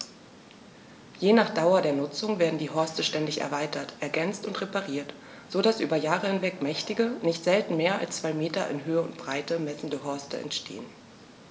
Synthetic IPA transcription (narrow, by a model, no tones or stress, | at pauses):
jeːnaːχd̥aʊɐdeːɐnʊt͡sʊŋveːɐdn̩diːɦɔɐstəʃtɛndɪçɛ̰ɐvaɪtɐtʰʔɛɐɡɛnt͡stʊntʁepaʁiːɐt | z̥oːdasʔyːbɐjaːʁəhɪnvɛkmɛçtɪɡənɪçtz̥ɛltn̩meːɐa̰lst͡sv̥aɪmeːtɐʔɪ̰nɦøːəʊ̰ntb̥ʁaɪtəmɛsn̩dəɦɔɐstə̰ɛ̰ntʃtʰḛːən